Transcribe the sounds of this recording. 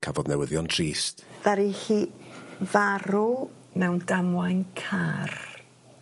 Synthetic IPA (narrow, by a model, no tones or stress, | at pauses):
kʰavɔdnɛwəðjɔntʰriːstð̥aɾiɬiːvaɾu | mɛwndamwajnkʰar